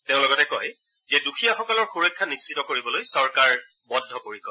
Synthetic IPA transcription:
teʊ̃lɔɡɔtɛkɔj | zɛdukʰijaxɔkɔlɔɹxuɹɔkʰːanisːitɔkoɹibɔlojsɔɹkaɹ | bɔdʱːɔpoɹikɔ

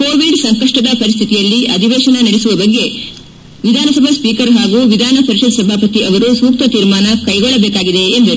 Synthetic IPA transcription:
ko̞ːʋiɖsɐŋkɐʂʈɐd̪ɐpɐɾist̪ʰit̪ijɐlːiʔɐd̪ʱiʋɛːʃɐnɐniɽesuʋɐbɐɡːe̞ | ʋid̪ʱaːnɐsɐbʱɐspiːkɐɾɦaːɡuːʋid̪ʱaːnɐpɐɾiʃɐd̪sɐbʱaːpɐt̪iʔɐʋɐɾusuːk̚t̪ɐt̪iːɾmaːnɐkɐjɡɔɭːɐbeːkaːɡid̪e̞ːnd̪ɐɾu

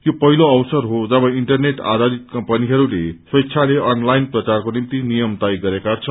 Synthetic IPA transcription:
jopʌɦiloʌwsʌrɦod͡zʌbʌ̃iɳʈʌrneʈa̰d̪ad̪it̪̚kʌmpʌniɦʌɾuleswʌjɕʰaleʔʌnlajnprʌt͡sarkonimt̪inijʌmt̪ajɡʌɾekat͡sʰʌ

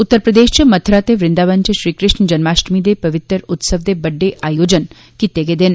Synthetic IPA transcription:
ut̪ːəɾpɾəd̪eːʃt͡ʃimɐt̪ʰɾaːt̪eʋɾɪnd̪aʋənt͡ʃɐʃɾiːkɾɪʃɳd͡ʒɐnmaːʃʈmid̪epɐʋɪt̪ɾəɾut̪səʋd̪ebəɖːeʔaːjod͡ʒən | kit̪eɡed̪en

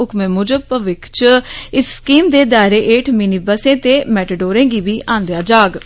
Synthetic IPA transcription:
ʊkmẽːmʊd͡ʒəpəʋɪkʰt͡ʃɪsːkiːmd̪eːd̪aːɾeːʔeːʈʰminiːbəsẽːt̪eːmɛːʈəɖoːɾẽːɡiːʋiːʔãːnd̪ejaːd͡ʒaːɡ

